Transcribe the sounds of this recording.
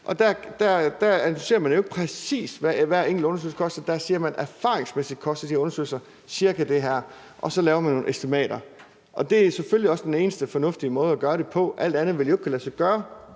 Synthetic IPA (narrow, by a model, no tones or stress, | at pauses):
ʔɒ̽d̥æɐd̥æd̥æænise̝̰ɐmænjoe̝ɡ̥̚pʰʁɛsḭːsʋæʋæɐe̝ŋ̰̥l̩ɔ̽nɐsø̰lsɐ̥kʰɒ̽sd̥ɐd̥æɐsiːɐmænæɐfɑ̈ːʁeŋsmesid̥̚kʰɒ̽sd̥ɐd̥iɐɔ̽nɐsø̰ːlsɐ | siɐɡ̥æd̥e̝ɦæɐ̰ | ʔɒ̽sɒ̽lɛːʊɐmænːo̝ːn̩esd̥imɛ̰ːɾɐ | ʔɒ̽d̥e̝æseføljiɒ̽sd̥ene̝ːnəsd̥əfɒ̽nɔ̽fd̥iəmɔ̽ːð̞̩ˠæɡ̥ɶːɐɾ̥e̝pʰɒ̽ʔæl̰d̥ænðˠʋe̝ljoeɡ̥kʰælæsɑɡ̥ɶːɐ